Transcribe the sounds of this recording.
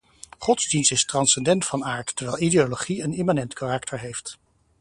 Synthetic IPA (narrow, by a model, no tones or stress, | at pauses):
χɔtzdinstɪstrɑnsɛndɛntfɑnaːɹtːəɹʋɛlˠideoloχiənemanɛntkarɑktʰəɹɦejft